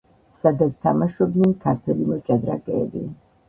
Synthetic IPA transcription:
sad̪at̪st̪ʰamaʃɔbnɛnkʰaɾt̪ʰwɛlimɔt͡ʃʼad̪ɾa̰kʼɛːbia

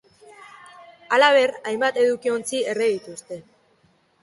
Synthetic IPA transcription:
alaβ̞e̞rajmbat̪e̞ðukio̞nt͡sie̞reðit̪ust̪e̞

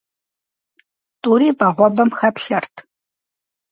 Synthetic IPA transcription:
tʼuːɾiːvɐʁʷɔbɐmxɐpɬɐrtʰ

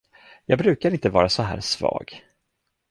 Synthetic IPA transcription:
jɑːɡ̚bɾʉ̟ːkaɾɪnt̪əvɑːɾasɔɦæ̰ːɾsvɑ̰ːɡ

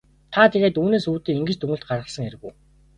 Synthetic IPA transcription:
t̪ʰat̪ʰeɣeːt̪uːneːsuːt̪iːiŋɡɘ̆t͡ɕt̪uŋɵ̆ɬt̪̚ɢarʁə̆sə̆ŋeɾɘ̆ɣṵː

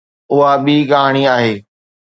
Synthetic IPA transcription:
ʊɦaɓikaɦaːɽ̃iaːɦeː

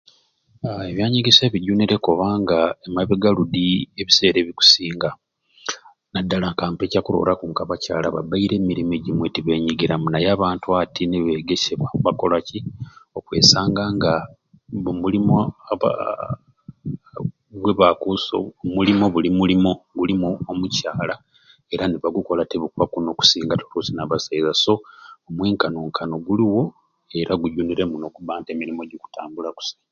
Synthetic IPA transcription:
aeβjaːɲiɡise̞ːβiɟuːniɾe̞koβaːŋɡaemaβeɡaludie̞βise̞ːɾe̞ːβiku̥siːŋɡa | nadːalaŋkaːmpe̞ːcakuɾo̞̰lakuːŋkaβacaːlaβa̰baiɾe̞ːmiɾime̞ɟimwe̞tiβe̞ːɲiɡiɾamunajaːβaːntuatʰineβeɡeseβauβako̞lacio̞kwe̞̰ːsaːŋɡaŋɡa | βumulimoa̰ | βweβakuso̰mulimo̞βulimulimoɡulimuomucaːla | e̞ɾaniβaɡuko̞lateβukuβakuno̞ku̥siːŋɡatu̥ɾusinaβasaizaso̞omweːŋkanoŋkʰanoɡuliwo̞ | e̞ɾaɡuɟuniɾe̞muno̞kuβaːntemiɾimo̞ɟoku̥tʰaːmbulaku̥si̥ːɡa

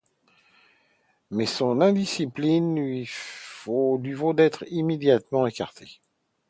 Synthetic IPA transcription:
mɛsɔ̃nɛ̃d̪isiplinlɥi | olɥivod̪ɛt̪χimed̪jat̪mɑ̃ekaʁt̪ʰe̥

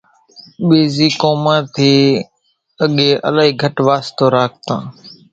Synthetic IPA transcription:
ɓeːziːkoːmãːt̪ʰiː | əɠeːʔə̰laːɦiːɡʱəʈʋaːst̪oːɾaːk̚ʰt̪ãː

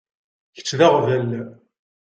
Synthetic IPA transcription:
çə̥t͡sːðaʁvælːæ

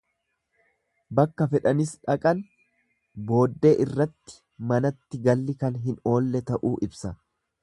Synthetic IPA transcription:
bɐkːɐfɛᶑɐnɪsᶑɐkʼɐn | bo̞ːd̪ːe̞ːʔɪrːɐt̪ːɪ̥ | mɐnɐt̪ːɪɡɐlːɪkɐnɦɪno̞ːlːɛt̪ɐʔuːʔɪbsɐ

